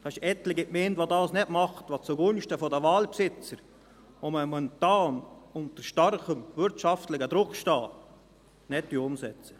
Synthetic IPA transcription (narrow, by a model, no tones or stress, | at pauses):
d̥ɑɪʃɛt̪lɪɡɪtmɪndʋodɑːsnɛdmɑχt̪ʋot͡suɡʊnʃtəfɔdəʋɑːlpsɪt͡səɾ | oməmɔntɑːnʊnt̪əɾʃtɑrχəmʋʏɾtʃɑft̪lɪɡəd̪ɾʊkʃtɑː | nɛtːyʊmsɛt͡sə̥